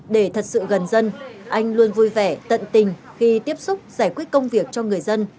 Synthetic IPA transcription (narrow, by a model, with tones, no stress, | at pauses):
ɗe˧˩t̪ʰə˨˩t̚sɨ̰˧˨ɣə˨˩nzə˧nʔa˧jŋ̟lu˧ənvu˧jvɛ˧˩t̪ə̰˧˨nt̪ï˨˩ŋ̟ | xi˧t̪i˦˥əp̚sʊ˦˥k͡p̚zaː˧˩jkwi˦˥t̚kə˧wŋ͡mvi˨˩ək̚t͡ɕɔ˧ŋɨ˨˩əjzə˧n